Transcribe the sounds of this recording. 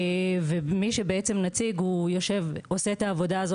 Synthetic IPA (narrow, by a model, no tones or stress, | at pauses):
vemiʃe̞beet͡semnat͡siɡhujoʃe̞vo̞se̞t̪aːvo̞daːzo